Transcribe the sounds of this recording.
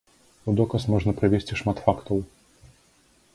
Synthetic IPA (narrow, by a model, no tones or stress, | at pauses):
ud̪ɔkəsmɔʐnəpɾɐvʲesʲtʲiʂmat̪fakt̪əw